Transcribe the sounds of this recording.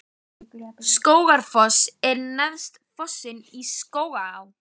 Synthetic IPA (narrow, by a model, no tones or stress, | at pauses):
skoːwɣaɾ̥fɔsɛɾnaðst̪fɔsːɪniskoːwɣaaw